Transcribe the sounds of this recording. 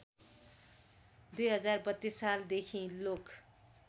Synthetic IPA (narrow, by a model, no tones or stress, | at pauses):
d̪ujɦʌd͡zarbʌt̪ːisald̪ekʰĩlok